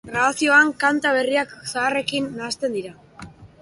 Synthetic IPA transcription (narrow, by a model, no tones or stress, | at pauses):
ɡraasio̞aŋkant̪aβ̞e̞riaksaːre̞kinːaːst̪e̞nd̪iɾa